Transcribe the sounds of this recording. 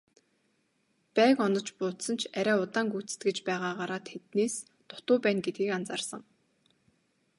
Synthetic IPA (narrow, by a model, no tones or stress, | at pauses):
pæːkɔnɞ̆t͡ɕpʊːt̪sə̆nt͡ɕʰæɾʲæːʊt̪aːŋɡut͡sɘ̥̆t̪̚ɡĕt͡ɕpæːʁaːʁaɾaːt̪xet̪neːs | t̪ʊt̪ʊːpæːnɡet̪̚ɡiːkant͡saːrsə̆ŋ